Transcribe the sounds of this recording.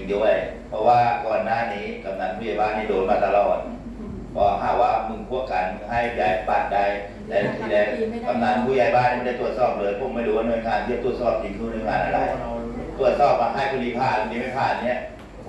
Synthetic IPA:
ŋdu˧˩˨ə˨jpʰɔ˧waː˧˩kɔː˨˩nːaː˧˨niː˦˥ka˨˧˦mnaː˧˥n̚pʰuː˧˨jaː˧˦jbaː˧˨nːiː˧˩doː˨˦n̚maː˧˩t̪a˧lɔː˨˩t̪̚ | pʰɔː˧˦˧ɦaː˧˩kwaː˧˩mɯ˧˩ŋpʰu˧˥˩əka˨˦nɦa˧˥˩jjaː˨˧˩jpaː˧˩t̪̚da˧j | lɛ˦˧˥t̪ʰiː˧lɛː˧˥ka˧˦mna˧˥npʰuː˧˩˨ja˧˩jbaː˧˨niː˧˩t̪u˧˩ət̪̚sɔː˧˩p̚lɤː˨˦jpʰo˨˧˦mːa˧˩jɾuː˦waː˧˩nu˧˨jŋaː˨˧˦nt̪ʰːt̪u˧˩ət̪̚sɔː˧˩p̚si˨˦nkʰuː˧˦nu˧˦ŋaː˨˦nʔa˧ɾa˧˩j | t̪u˧˩ət̪̚sɔː˧˩p̚maː˧˩ɦaː˧˩˨jkʰu˧liː˧˦˩pʰaː˧˩˧niː˧˦ma˥˩jpʰaː˨˩˨ni˧˩ə

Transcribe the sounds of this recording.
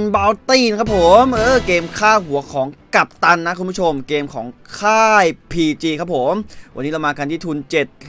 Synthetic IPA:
nbaː˧wt̪iː˥˩nkʰa˦˥p̚ʰːo˩˦mʔɤː˧˩keː˧mkʰaː˥˩hu˩˦ɐkʰɔː˩˦ŋka˨˩p̚t̪a˧nːa˦˥kʰu˧nmbu˥t͡ɕʰo˧mkeː˧mkʰɔ̰ː˩˦ŋkʰaː˥˩jpʰiː˧t͡ɕiː˧kʰa˦˥p̚ʰːo˩˦mwa˧nːi˦˥a˧maː˧ka˧nt̪ʰiː˥˩t̪ʰuː˧nt͡ɕe˨˩t̪̚

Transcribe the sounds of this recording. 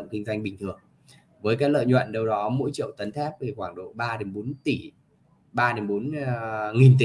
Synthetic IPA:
ŋ͡mkï˧ŋ̟zwa˧jŋ̟ɓï˨˩ŋ̟t̪ʰɨ˨˩əŋ | vəː˨˦jkaː˨˦˥klə̰ː˧˨jɲwə̰˧˨nɗə˧wɗɔ˨˦mo̰˧˥jt͡ɕḭ˧˨əwt̪ə˨˦nt̪ʰɛ˦˥p̚t̪ʰi˨˩xwaː˧˩ŋɗo̰˧˨ɓaː˧ɗe˨˦nɓo˨˦nt̪i˧˩ | ɓaː˧ɗe˨˦mɓo˨˦nŋi˨˩nt̪i˧˨

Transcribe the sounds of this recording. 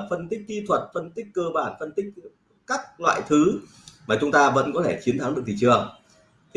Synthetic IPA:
fə˧nt̪i˦˥k̟̚t̪i˧t̪ʰwə˨˩t̚fə˧nt̪ï˦˥k̟̚ʲkːəː˧ɓaː˧˩nfə˧nt̪ï˦˥k̟̚ | kaː˦˥k̚lwa̰ː˧˨jt̪ʰɨ˨˦ | maː˨˩t͡ɕʊ˨˦ŋ͡mt̪aː˧və̰˧˥nkɔ˨˦t̪ʰe˧˩t͡ɕi˨˦ənt̪ʰa˨˦ŋɗɨ˨˩ət̪ʰi˨˩t͡ɕɨ˨˩ə

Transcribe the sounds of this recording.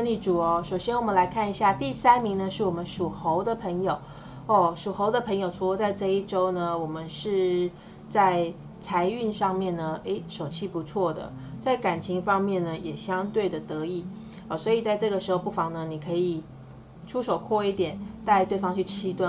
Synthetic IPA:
ni˥˩ʈ͡ʂu˨˩ɔ˧˩ʂo˨˩ʊɕjɛ˥nwɔ˨˩mə˦nla˧˥ɪkʰa˥˩ni˧˥ɕja˥˧t̪i˥˩sa˥nmi˧˥ŋnə˧ʂɻ̩˥˩wɔ˨˩mə˦nʂu˨˩xo˧˥ʊd̪ə˨pʰə˧˥ŋjo˨˩ʊ | ɔ˥˩ʂu˨˩xo˧˥ʊd̪ə˧pʰɤ˧˥ŋjo˨˩ʊʈ͡ʂʰu˧˥kɔ˧˥t͡sa˥˧ɪʈ͡ʂɤ˥˧i˥˩ʈ͡ʂo˥ʊnə˨wɔ˨˩mə˦nʂɻ̩˥˧ | t͡sa˥˩˧ɪ | t͡sʰa˧˥ɪy˥˧nʂɑ˥˧ŋmjɛ˥˩nnə˩e˥ɪʂo˨˩ʊt͡ɕʰi˥˩pu˧˥t͡sʰwɔ˥˩d̪ə̰˩ | t͡sa˥˩ɪka˨˩nt͡ɕʰi˧˥ŋfɑ˥ŋmjɛ˥˩nə˩jɛ˨˩ɕjɑ˥ŋt̪we˥˩ɪd̪ə˩t̪ɤ˧˥i˥˩ | ɔ˥˩swɔ˧˥i˨˩t͡sa˥˧ɪʈ͡ʂɤ˥˩ɡə˩ʂɻ̩˧˥xo˧ʊpu˥˩fɑ˧˥ŋnə˧ni˨˩kʰɤ˧˥i˨˩ | ʈ͡ʂʰu˥ʂo˨˩ʊkʰwɔ˥˧i˥˩t̪jɛ˨˩˦nt̪a˥˧ɪt̪we˥˩ɪfɑ˥ŋt͡ɕʰy˥˩t͡ɕʰi˥t̪wa˥˩

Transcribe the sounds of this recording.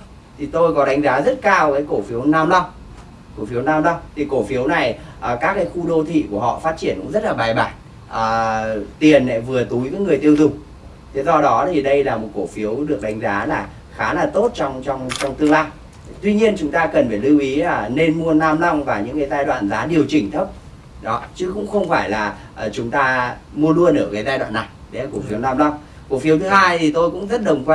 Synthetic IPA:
t̪ʰi˨˩t̪o˧jkɔ˨˦ɗa˨˦jŋ̟zaː˨˦zə˦˥t̚kaː˧wkaː˨˦jko˧˩fi˨˦əwnaː˧mlɔ˧wŋ͡m | ko˧˩fi˨˦wnaː˧mla˧wŋ͡mt̪ʰi˨˩ko˧˩fi˨˦əwna˨˩jʔəː˨˩kaː˦˥k̚ːaː˨˦jxu˧ɗo˧t̪ʰḭ˧˨ku˧˩əɦɔ̰˧˨faː˦˥t̚t͡ɕi˧˩ənkʊ̰˧˥ŋ͡mzə˦˥t̚laː˨˩ɓaː˨˩jɓaː˧˩j | ʔəː˨˩t̪i˨˩ənːɛ̰˧˩vɨ˨˩ət̪u˨˦jkaː˨˦˥ŋɨ˨˩əjt̪i˧əwzʊ˨˩ŋ͡m | t̪ʰe˨˦zɔ˧ɗɔ˨˦t̪ʰi˨˩ɗə˧jlaː˨˩mo˨˩t̚ko˧˩fi˨˦əwɗɨ˨˩ək̚ɗa˨˦jŋ̟zaː˨˦laː˨˩ | xaː˨˦laː˨˩t̪o˦˥t̚t͡ɕɔ˧wŋ͡mt͡ɕɔ˧wŋ͡mt͡ɕɔ˧wŋ͡mt̪ɨ˧əŋlaː˧j | t̪wi˧ɲi˧ənt͡ɕʊ˨˦ŋ͡mt̪aː˧kə˨˩nfaː˧˩lɨ˧wʔi˨˦aː˨˩ne˧nmu˧ənaː˧mla˧wŋ͡mvaː˨˩ɲɨ̰˧˥ŋkaː˨˦zaː˧jɗwa̰ː˧˨nzaː˨˦ɗi˨˩əwt͡ɕï˨˩ŋ̟t̪ʰə˦˥p̚ | ɗɔ˨˦t͡ɕɨ˨˦kʊ̰˧˥ŋ͡mxə˧wŋ͡mfaː˧˩jlaː˨˩ | ʔt͡ɕʊ˨˦ŋ͡mt̪aː˧ | mu˧əlu˧ənəː˧˩ka˨˦zaː˧jɗwa̰ː˧˨nːa˨˩jɗe˨˦a˨ko˧˩fi˨˦əwnaː˧mlɔ˧wŋ͡m | ko˧˩fi˨˦wt̪ɨ˨˦haː˧jt̪ʰi˨˩t̪o˧jkʊ̰˧˥ŋ͡mzə˦˥t̚ɗə˨˩wŋ͡mkwa˧

